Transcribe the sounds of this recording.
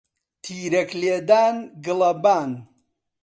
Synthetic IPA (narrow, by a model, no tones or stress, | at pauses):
t̪ʰiːɾɐkleːd̪aːnɡɨlɐbaːn